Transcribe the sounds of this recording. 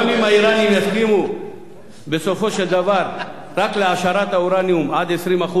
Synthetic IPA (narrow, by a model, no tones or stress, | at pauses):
mimaiɾanineskimu | besofoʃezɐʋaɾ | ɾɐkleaːʃaɾat̪auɾaːniumaːd̪esɾimɐxu